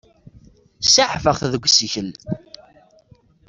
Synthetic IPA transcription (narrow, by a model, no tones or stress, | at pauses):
saħfəʁθðəɡʷsçəl